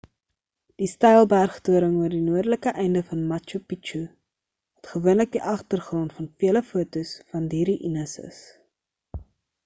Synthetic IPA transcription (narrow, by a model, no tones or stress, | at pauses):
d̥istɐjlˠbærχtuəɾəŋuərdinuədələkəʔɛjndəfɐnmɐt͡ʃupit͡ʃu | ɐtχəvuənlək̚diʔɐχtərχrɔntfɐnfiələfuətusfɐndiːɾiʔinəsə̰s